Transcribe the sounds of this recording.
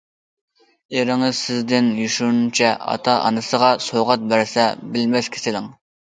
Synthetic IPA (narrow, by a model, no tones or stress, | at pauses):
eɾɪŋɪzsɪzd̪ɪnjyʃunt͡ʃʰɛɑ̰t̪ʰɑʔɑ̰nɨsəʁɑsoʁɑt̪̚bæɾsɛbɪlmɛskʲʰe̥sɪlɪŋ